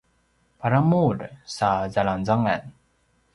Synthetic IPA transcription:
paɾamuɾsazalanzaŋɛ̰n

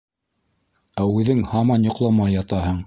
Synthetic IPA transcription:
æʉðɘŋhɑmɑnjŏqlˠɑmɑjɑt̪ɑɦɤɴ

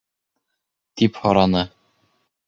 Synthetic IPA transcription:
t̪iphɒɾɑnɤ

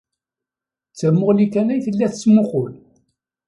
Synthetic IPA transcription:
t͡sːæmːʊʁlikænæjθəlːæθt͡sːmʊqʊl

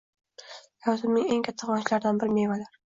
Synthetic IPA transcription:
jawzɪmnɪŋeŋkʲʰat̪ʰːɪqwɒnʃlaɾd̪anbɪɾmevalaɾ

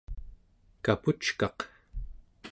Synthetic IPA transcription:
kaput͡ʃkɑq

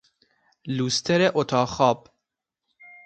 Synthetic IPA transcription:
luːst̪ʰɛɾɛʔot̪ʰɑːxɑːp

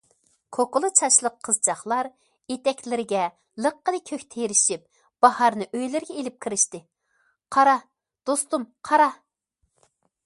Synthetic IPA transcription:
kʰokʊlˠɨt͡ʃʰɑʃlˠəqʰːəzt͡ʃʰɑχlˠɑɾ | jet̪ɛkʲlɪɾɪɡʲɛ | lˠəqːəlɨkʲʰøkʲt̪ʰeɾɪʃip̚ | b̥ɑhɑɾnɨʔøjlɪɾɡʲɛelɪp̚kʲʰiɾɪʃt̪ɪ | qʰɑɾɑ | d̪̥ost̪umqʰɑɾɑ

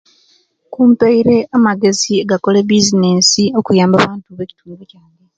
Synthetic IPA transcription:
kuːmpeiɾe̞amaɡe̞zieɡako̞lebizine̞ːsio̞kujaːmbaβaːntuβe̞ci̥tuːŋɡocaːŋe

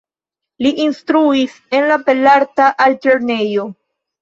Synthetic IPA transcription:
liʔinstɾuis | e̞nlape̞laɾtaʔalte̞ɾne̞jo̞

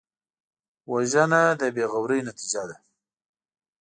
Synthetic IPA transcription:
waʒənad̪əbeɣawɾəjnat̪id͡ʒad̪a

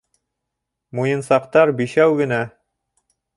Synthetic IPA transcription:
mujɤ̆nsɑqt̪ɑɾbiʃæwɡɘ̆næ

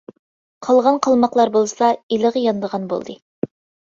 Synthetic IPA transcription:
qʰɑlˠʁɑnqʰɑlˠmɑqlˠɑɾbolˠɨsɑiləʁəjɑnd̪əʁɑnbo̰lˠd̪ɨ

